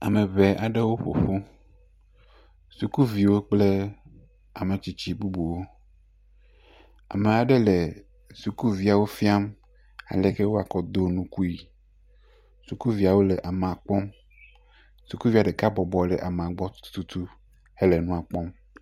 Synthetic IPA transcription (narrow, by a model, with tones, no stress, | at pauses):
a̰˨mẽ˨βe˨ʔa˨ɖe˦wo˦ɸo̰˨ɸo˦ | su˨ku˦vi˨wo˦k͡ple˦ | a˨me˨t͡ɕi˦t͡ɕi˦bu˦bu˨wo˦ | a̰˨me˨a˨ɖe˦le˨ | su˨ku˦vi˦a˨wo˦fi˦a˦m | a̰˨le˦ke˦wo˦a˨kɔ˦d̪o˦nũ˦ku˦i˨ | su˨ku˦vi˨a˨wo˦le˨ʔa˨me˨a˨k͡pɔ˦m | su˨ku˦vi˨a˨ɖe˨ka˦bɔ˨bɔ˨lɛ˨ʔa˨mẽ˨a˨ɡ͡bɔ˦t̪u̥˦t̪u˦t̪u˦ | he˦le˨nũ˦a˨k͡pɔ˦m